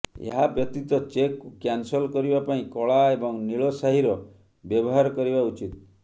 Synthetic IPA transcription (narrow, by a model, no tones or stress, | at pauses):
ḛɦabjɔt̪it̪ɔt͡ʃekːukjansɔlkɔɾibapaĩkɔɭaebɔŋniɭɔsaɦiɾɔ | bjɔbɔɦaɾɔkɔɾibaut͡ʃit̪